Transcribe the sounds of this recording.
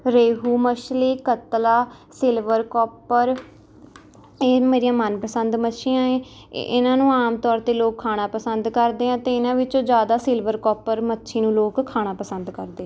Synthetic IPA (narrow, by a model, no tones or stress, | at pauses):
ɾeːɦuːməʃleːkət̪laː | sɪlʋəɾkɔːpəɾ | eːmeːɾijãːmənpəsənd̪mətːʃʰiːãːẽː | ɪ̰nãːnũːaːmt̪ɔːɾt̪eːloːkʰːaːɽ̃aːpəsənd̪kəɾd̪eːɦãːt̪eːɪnãːʋɪt͡ʃõːd͡ʒjaːd̪aːsɪlʋəɾkɔːpəɾmətːʃʰiːnũːloːkkʰːaːɽ̃aːpəsənd̪kəɾd̪ẽː